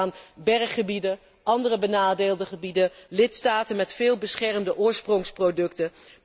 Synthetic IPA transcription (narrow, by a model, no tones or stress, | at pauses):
anbɛrχχəbidə | ʔɑndərəbənaːdeːlˠdəχəbidəlɪtstaːtənmɛtfɪːlˠbəsχɛrmdəʔʊːɹsprɔŋsprodɵktə